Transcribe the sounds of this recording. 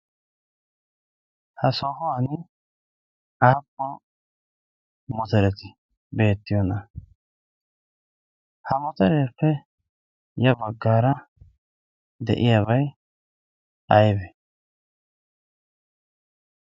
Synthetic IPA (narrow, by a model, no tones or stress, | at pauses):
hɐsɔhɔɐnɪ | aːpːɔ | mɔt̪ɛɾɛt̪ɪ | be̞ːt̪ːɪjɔnɐ | hɐmɔt̪ɛɾeːpːɛ | jɐbɐɡːaːɾɐ | d̪ɛ̰ʔɪjabɐj | ʔɐjbɛ